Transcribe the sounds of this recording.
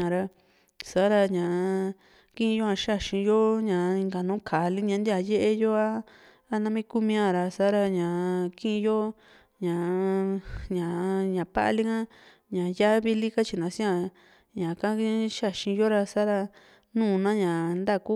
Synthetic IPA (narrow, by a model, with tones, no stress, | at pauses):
ã˨ɾa˧ | sa˨˦ɾa˧ɲã˨ | kĩ˦˧jo˦ã˧ʃa˦˨ʃĩ˧jo˦ɲã˨˧i˧ŋɡa˨nũː˨˦kʰa˨li˦ɲã˧nd̪i˦a˧je˦ʔe˧jo˦aː˦ | nã˧mĩ˦ku˦mĩ˧ã˧˨ɾa˧sa˨˦ɾa˧ɲã˨kĩ˦ʔĩ˧jo˦ | ɲã˨ | ɲã˨ɲã˨pa̰˦ʔli˦kã˦ | ɲã˨ja˦βi˧li˦ka˦t͡ʃi˧˨nã˨sĩ˦ã˧ | ɲã˨ka˦˧ʃa˦˨ʃĩ˧jo˦ɾa˧sa˦ɾa˧ | nũː˦˧nã˦ɲã˨nd̪a˦˨ku˦